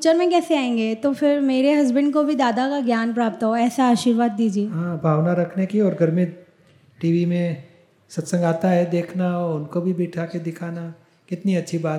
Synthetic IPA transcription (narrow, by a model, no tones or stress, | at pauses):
t͡ʃəɾmẽkɛːseaːẽːŋɡeːt̪ofɪɾmeːɾeɦɐzbə̃ɳɖkobʱid̪aːd̪akaɡjaːnpɾaːp̚t̪aɦoɛːsaaːʃiːɾʋaːd̪̚ːiːd͡ʒieːɦãːbʱaːʋnaɾɐkʰnekiɔːɾɡʱɐɾmɪt̪̚ | ʈiːʋimẽ | sɐt̪sə̃ŋɡaːt̪aɦɛd̪eːkʰnaɔʊnkobʱibiːʈʰaked̪ɪkʰaːna | kɪt̪niɐtːʃʰibaːt̪